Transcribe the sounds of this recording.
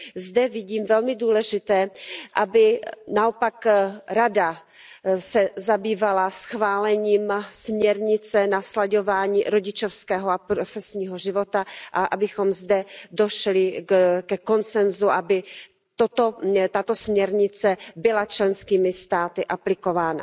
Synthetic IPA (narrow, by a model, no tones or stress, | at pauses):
zdɛvɪɟiːmvɛlmɪduːlɛʒɪt̪ɛːʔabɪnaopakɾada | sɛzabiːvalasxvaːlɛɲiːmsmɲɛɾɲɪt͡sɛnaslaɟovaːɲiːɾo̞ɟɪt͡ʃofskɛːɦoapɾofɛsɲiːɦoʒɪvo̞t̪aʔaʔabɪxo̞mzdɛdo̞ʃlɪkɛko̞nt͡sɛnzuʔabɪ | t̪ot̪ot̪at̪osmɲɛɾɲɪt͡sɛbɪlat͡ʃlɛnskiːmɪst̪aːt̪ɪʔaplɪkovaːna̰